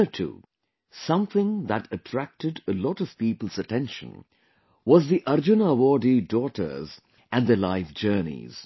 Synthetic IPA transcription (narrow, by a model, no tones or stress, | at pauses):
ətʰṵː | sʌ̃mθɪ̃ŋðætətʰɹ̥æk̚tɨdəlɔtʌv̥piːpəl̩ˠzətʰɛ̃nʃə̰̃n | wɔzðiʔʌɾd͡ʒunawɔɖidɔtə̰˞z | ʔæ̃nðəlaɪfd͡ʒɜ˞nḭz̥